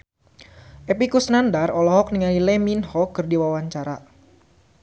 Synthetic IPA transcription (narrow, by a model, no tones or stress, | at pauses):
ʔepikusnandarɔlɔɦɔk̚niŋalilɛminhɔkɨrdiwawaɲt͡ʃaɾa̰